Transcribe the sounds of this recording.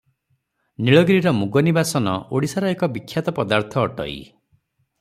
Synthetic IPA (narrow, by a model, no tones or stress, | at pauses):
niɭɔɡɾiɾɔmuɡɔnibasɔnɔ̰o̰ɽisaɾɔekɔbikʰːjat̪ɔpɔd̪aɾt̪ʰɔːʈɔ̰ḭ